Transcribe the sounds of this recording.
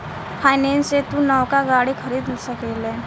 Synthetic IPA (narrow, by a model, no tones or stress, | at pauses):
pʰaːjnenset̪ũnəwkaɡaːɽikʰəɾiːd̪lsəkele